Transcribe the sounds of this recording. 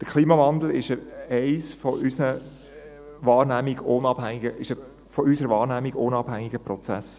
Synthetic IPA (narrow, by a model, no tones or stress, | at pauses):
d̥əkʰliːmɑvɑnd̪l̩ɪʃəɛɪsfɔʔysnə | ʋɑːɾnæmiɡ̥onɑb̥hæŋiɡəʔɪʃə | fɔysəɾəʋɑːɾnæmiɡonɑb̥hæŋːɪɡəprɔt͡sæ̰s